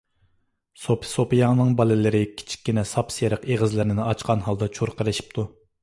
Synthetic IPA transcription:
sopʰsopijɑŋnɨŋbɑlˠɨlɪɾɪkʲʰi̥t͡ʃʰi̥kʲːinɛsɑpsjeɾəqeʁəzlɪɾnɪnɨɑt͡ʃqʰɑnɦɑlˠd̪ɑt͡ʃʰuɾqʰəɾɪʃi̥p̚t̪ʰu

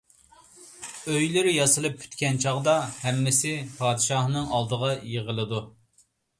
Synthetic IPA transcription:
øjlɪɾɪjɑsɨlˠɨpːʰy̥t̪kʲɛnt͡ʃʰɑʁd̪ɑhɛmːɪsɪpʰɑːd̪ɨʃɑhnɨŋɑlˠd̪əʁɑjeʁəlˠɨd̪u

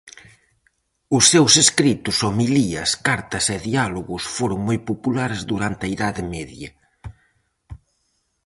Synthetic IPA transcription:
ʊsːewseskɾit̪ʊsomiliɐskaɾt̪ɐseðialoɣʊsfoɾʊŋmojpopulaɾzðuɾant̪ɐiðaðɪmɛðjɐ

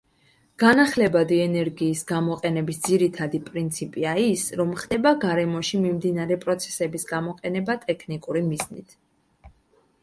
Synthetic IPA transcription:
ɡ̥anaχlɛbad̪iɛnɛɾɡiːsɡamɔqʼɛnɛbisd̪ziɾit̪ʰad̪ipʼɾint̪sʰipʼiaisɾɔmχd̪ɛbaɡaɾɛmɔʃimimd̪inaɾɛpʼɾɔt̪sʰɛ̥sɛbisɡamɔqʼɛnɛbat̪ʼɛkʰnikʼuɾimiznḭt̪ʰ

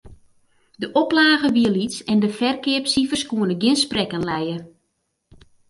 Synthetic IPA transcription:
dəʔɔplaːɣəʋiəlitsɛndəfɛrkɪəpsifərskuənəɡɪnsprɛkənlɛjə

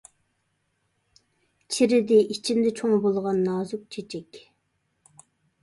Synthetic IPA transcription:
t͡ʃʰiɾɪd̪ɪʔit͡ʃʰind̪ɛt͡ʃʰoŋbolˠʁɑnːɑːzuk̚t͡ʃʰet͡ʃʰɛkʲ

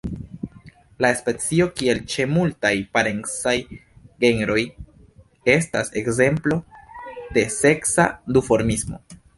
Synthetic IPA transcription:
laespe̞t͡sio̞kie̞lt͡ʃe̞multajpaɾe̞ŋsajɡe̞nɾo̞j | e̞sta̰se̞kze̞mplo̞d̥e̞se̞ksa̰dufo̞ɾmismo̞̰

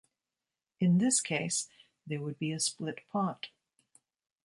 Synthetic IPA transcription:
ɨ̃nðɪskʰeɪs | ðə˞wəd̚biɨsplɪt̚pʰɑt

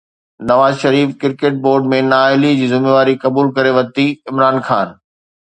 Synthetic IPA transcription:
nɐʋaːzʃɐɾiːfkɪɾkeːʈ̚boːɾɖmẽnaːɪlid͡ʑiːzɪmeːʋaːɾikɐbuːlkɐɾeʋɐt̪iɪmɾaːnxaːn

